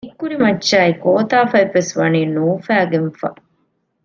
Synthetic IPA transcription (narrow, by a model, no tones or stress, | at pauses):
ikːuɾimɐːʃaːikoːt̪aːfɐipːesʋɐniːnuːfæːɡenfɐ̰